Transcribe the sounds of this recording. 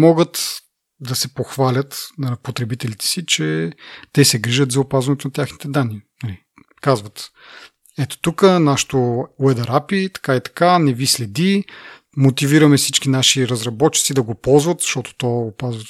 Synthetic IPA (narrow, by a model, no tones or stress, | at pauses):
mɔɡət̪ | d̪ɐsɛpoxvalʲət̪nɐpot̪ɾɛbit̪ɛlit̪ɛ̥sit͡ʃɛt̪ɛsɛɡɾiʒət̪zɐopazvɐnɛt̪onɐt̪ʲjaxnit̪ɛd̪anːinɐli | kazvɐt̪ | ɛt̪o̥t̪ukənaʃi̥t̪owɛd̪ɐɾapit̪ɐ̥kait̪ɐ̥kanɛvislɛd̪i | mot̪iviɾɐmɛfsit͡ʃkinaʃiɾɐzɾɐbɔt̚t͡ʃːi̥t̪sid̪ɐɡopɔlˠzvɐt̪z̥ɐʃt̪ɔt̪o̥t̪ɔopazvə